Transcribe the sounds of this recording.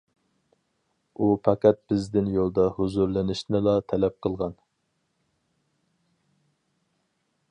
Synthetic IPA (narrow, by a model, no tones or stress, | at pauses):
upʰɑkʲɛt̪̚b̥ɪzd̪ɪnjolˠd̪ɑhuzuɾlɪnɪʃnɪlɑt̪ʰɛlɛp̚qʰəlˠʁɑn